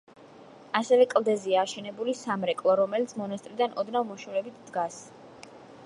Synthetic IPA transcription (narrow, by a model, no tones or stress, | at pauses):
asɛvɛkʼlˠd̪ɛziaːʃɛnɛbulisamɾɛkʼlˠɔɾɔmɛlit̪sʰmɔnast̪ʼɾid̪anɔd̪navmɔʃuɾɛbit̪ʰd̪ɡas